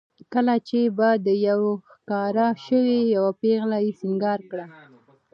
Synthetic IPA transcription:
kəlat͡ʃebad̪əjawxkɑɾaʃəwejawapeɣlajesɪŋɡɑɾkɽa

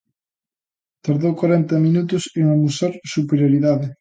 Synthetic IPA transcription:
t̪aɾðowkwaɾɛnt̪ɐmĩnut̪ʊseŋamusaɾsupeɾjoɾiðaðɪ

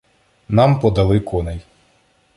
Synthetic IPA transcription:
nɑmpɔd̪ɐlˠɪkʰɔnej

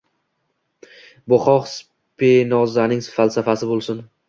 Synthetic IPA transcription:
bʊχɒχs | pʰenɒzanɪŋsfalˠsafasɪbolˠsɪn

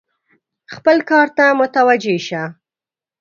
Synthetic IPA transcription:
xpəlkɑɾt̪amʊt̪awad͡ʒeʃa

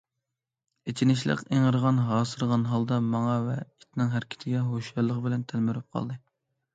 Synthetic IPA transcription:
et͡ʃʰinɪʃlˠɨ̰qeŋəɾəʁɑnɦɑːsɨɾʁɑnɦɑlˠd̪ɑmɑŋɑvɛit̪ʰnɨŋɦæɾkʲʰi̥t̪ʰɪɡʲɛɦoʃjɑɾlˠːəqbɪlɛnt̪ʰælmɪɾyp̚qʰɑ̰lˠd̪ɨ

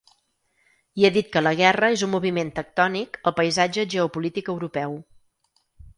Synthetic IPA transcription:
ieðit̪̚kələɣ̞ɛrəezumːuβiment̪ək̚t̪ɔnikəlˠpəjzad͡ʒəʒeupulit̪ikəwɾupɛw

